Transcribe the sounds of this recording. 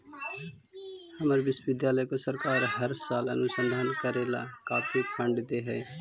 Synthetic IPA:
həməɾʋɪsʋɪd̪jaːləjkosəɾkaːɾɦəɾsaːlə̰nʊsə̃nd̪ʱaːnkəɾeːla̰kaːfʰikʰə̃ɳɖd̪eːɦɛː

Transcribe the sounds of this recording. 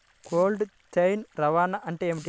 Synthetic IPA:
kʰoːlɖtejnɾɐʋaːnaʔɐɳʈeeːmiʈi

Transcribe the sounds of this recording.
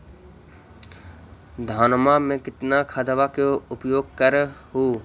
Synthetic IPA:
d̪ʱaːnmamẽkɪt̪nakʰad̪ʋakeʊpjoːɡ̚kəɾɦuː

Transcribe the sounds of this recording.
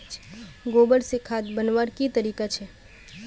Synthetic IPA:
ɡoːbəɾsekʰaːt̪bənʋaɾkit̪əɾiːkat͡ʃʰɛː

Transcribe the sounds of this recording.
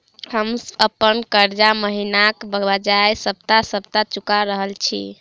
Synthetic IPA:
həməpːənkəɾd͡ʒaməɦinakbəbad͡ʒajsəb̚t̪asəb̚t̪at͡ʃukaɾəɦəlt͡ʃʰḭ

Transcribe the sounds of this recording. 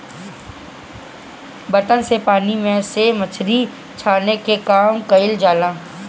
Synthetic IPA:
bɐt̪ənsepaːnimẽsemət͡ʃʰɾi | t͡ʃʰaːnekekaːmkɐɪld͡ʒaːlãː

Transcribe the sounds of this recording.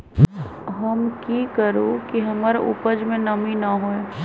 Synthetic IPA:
ɦɐmkikəɾokiɦɐmaɾʔṵpəd͡ʒmẽnɐminaɦoe

